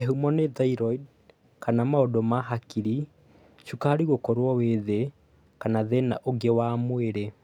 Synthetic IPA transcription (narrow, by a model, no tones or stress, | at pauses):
eɦumɔneðaiɾɔid | kanamaodomaɦakiɾi | ʃukahaɾiɣokɔɾwɔweðe | kanaðena̰ʔoɡewamweɾe